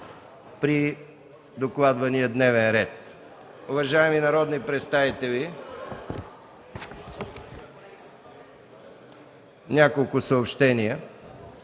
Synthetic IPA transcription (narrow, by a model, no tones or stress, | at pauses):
pɾi | d̪oklˠad̪vɐnijəd̪nɛvɛnɾɛt̪̚ | ʊvɐʒaɛminɐɾɔd̪nipɾɛt̪st̪avit̪ɛvi | nʲakolˠkʊsəopʃt̪ɛniə